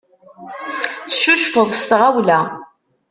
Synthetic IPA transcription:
θʃuʃfəðˤst̪ʁæwlæ

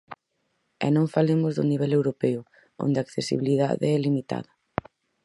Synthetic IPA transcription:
ɛ̰nõŋfalemʊzðʊniβɛlewɾopɛʊ | o̰nd̪aːkθesḭβ̞iliða̰ðḛɛlimit̪a̰ðɐ

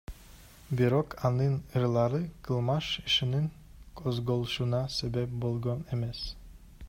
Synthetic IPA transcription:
biɾo̞qʰɑnɯnɯɾlˠɑɾɯqʰɯlˠmɑʃiʃiniŋ | kʰozɡo̞lˠʃunɑse̞be̞p̚bolˠɡoneme̞s

